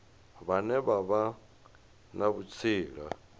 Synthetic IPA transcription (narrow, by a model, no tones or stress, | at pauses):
βanɛβaβa | naβut͡sʰiːɺa̰